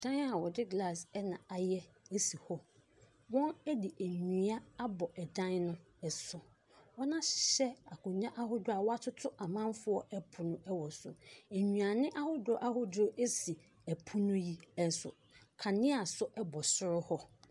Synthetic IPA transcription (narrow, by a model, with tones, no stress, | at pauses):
d̥ã˦na˨wɔ˨dɪ˦ɡla˦˨sɛ˦nã˨a˨jɛ˦e˦si˨hɔ˦ | wɔ̃˦næ˦di˨ʔæ˨ɲũ˨a˦a˦bɔ˨ʔɛ˨dã˦nnʊ̃˦ | ɛ˨sʊ˨ | wɔ˦nã˦ɕɪ̥˨ɕɛ˦a˨kʊ̃˨ɲã˦ʔa˦ɦʊ˦dʊ˦a˨wɔ˦a˦tʰʊ˦tʰʊ˦ʔa˨mã˦m˦fʊ˦ɔ˦ʔɛ˦pʰʊ˨nʊ̃˦ʔɛ˦wɔ˨sʊ̰˨e˨ɲũ˨a˨nɪ̃˦ʔa˦hʊ˦dʊ˦ʔa˦ɦʊ˦dʔe˦si˨ | æ˨pʰʊ˦nʊ̃˦ji˦ɛ˦n˨sʊ̰˨ | kʰã˨nɪ̃˦a˨sʊ˦ʔɛ˦bɔ˨sʊ˦ɾʊ˦hɔ˦